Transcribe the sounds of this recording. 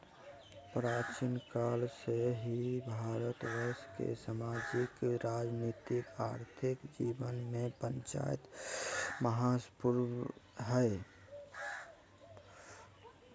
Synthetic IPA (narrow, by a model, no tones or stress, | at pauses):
pɾat͡ʃinkalseɦibʱaɾət̪ʋəɪskḛsamad͡ʒɪkɾad͡ʒnit̪ikaɾt̪ʰikd͡ʒibənmẽpənt͡ʃa̰j̰t̪ | məɦaspuɾʋɦəe